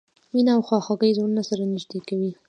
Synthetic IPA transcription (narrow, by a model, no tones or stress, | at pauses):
minaːwxɑxaɡəjzonunasaɾanɪʒd̪ekawi